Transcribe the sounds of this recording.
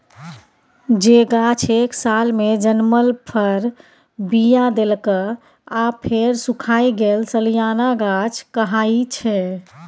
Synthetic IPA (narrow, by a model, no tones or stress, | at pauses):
d͡ʒeɡat͡ʃʰeksalmed͡ʒənməlpʰəɾ | bijad̪elkə | apʰeɾsukʰaiɡelsəlijanaɡat͡ʃʰkəɦait͡ʃʰɛ